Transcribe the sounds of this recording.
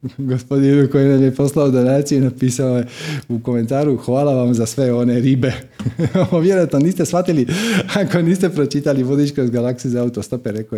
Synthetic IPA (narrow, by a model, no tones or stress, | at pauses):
ɡospod̪inukoinamjepo̞slaod̪onaːt̪sijunapiːsaoje̞uko̞me̞nt̪aːɾuxʋaːlaʋamzasʋe̞o̞ne̞ɾibe̞ | oʋje̞ɾojat̪noniːst̪esʋat̪iliako̞niːst̪e̞pɾo̞t͡ʃit̪aliʋod̪it͡ʃkɾozɡalaksiuzaaut̪ost̪o̞peɾe̞ko